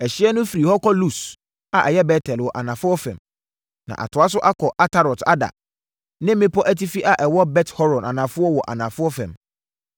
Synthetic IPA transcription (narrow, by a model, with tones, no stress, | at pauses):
ɛ˨ɕɪ˦ɛ˦nʊ̃˦fi˨ɾi˨hɔ˦kʰɔ˦lu˦s | a˨ʔɛ˨jɛ˦bɛ˦tʰɛ˨lwɔ˨ʔa̰˨nã˨fʊ˦ɔ˦fɛ̰̃˨m | nã̰˨ʔa̰˨tʰʊ˨a˦s̬ʊ˦ʔa˦kʰɔ˨ʔa˦tʰa˨ɾɔ˨ta̰˦da̰˨ | nɪ̃˦m˦mɪ̃˦pʰɔ˦ʔæ˦ti˦fi˦ʔa˨ʔɛ˨wɔ˦bɛ˦thɔ˦ɾɔ̃˨nã˨nã˨fʊ˦ɔ˦wɔ˨ʔa̰˨nã˨fʊ˦ɔ˦fɛ̰̃˨m